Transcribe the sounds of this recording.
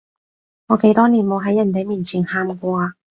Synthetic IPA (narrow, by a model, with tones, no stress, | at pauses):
ŋɔː˨˧ke˨˥jt̪ɔː˥niː˨˩nmo˨˧wɦɐ˨˥jːɐ˨˩nt̪e˨˧jmiː˨˩nt͡sʰiː˨˩nhaː˨˧nkʷɔː˧aː˧